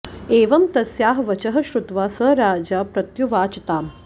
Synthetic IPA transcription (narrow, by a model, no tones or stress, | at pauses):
eːʋɐmt̪ɐsjaːɦʋɐt͡ʃɐɦɐ̆ʃɾut̪ʋaːsɐɾaːd͡ʒaːpɾɐt̪juʋaːt͡ʃɐt̪aːm